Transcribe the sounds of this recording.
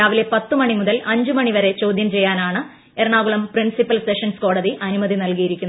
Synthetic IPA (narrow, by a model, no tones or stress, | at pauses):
aːʋile̞pɐt̪ːɨmɐɳimuðɐlɐɲd͡ʑumɐɳiʋɐɾe̞t͡ɕo̞ːd̪ʱjɐmt͡ɕe̞jːaːnaːɳɨ | eɾɐɳaːɡuɭɐmprinsipːɐlseʂɐnsko̞ːɽɐðiʔɐnumɐðinɐlkijiɾikʲːunːɐ